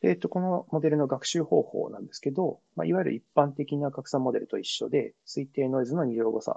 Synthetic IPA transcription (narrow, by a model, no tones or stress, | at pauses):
et̪ːo̞ko̞no̞mo̞d̪e̞ɾɯ̟no̞ɡakɯ̥ɕɨːho̞ːho̞̰ːnã̰nd̪e̞sɨ̥ke̞d̪o̞ma̰iβajiɾɯ̟̰ipːãnt̪e̞kʲinaɡakɯ̟sãmːo̞d̪e̞ɾɯ̟t̪o̞iɕːo̞̰d̪e̞sɨit̪e̞ːno̞izɨnoɲ̟iʑoɡo̞sã̰